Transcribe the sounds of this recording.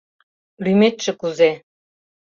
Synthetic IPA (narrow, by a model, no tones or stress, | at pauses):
lymet̪ʃɘ̆kuze